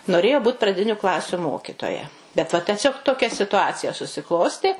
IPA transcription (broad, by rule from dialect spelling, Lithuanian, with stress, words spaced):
noːˈrʲeːjoː ˈbuːt prɐˈdʲɪnʲʊ ˈklˠɑːsʲʊ ˈmoːkʲɪtoːjɛ bʲɛt ˈʋɐ tʲɛˈsʲoːk toːˈkʲɛ sʲɪtʊˈɑːt͡sʲɪjɛ sʊsʲɪˈklˠoːsʲtʲeː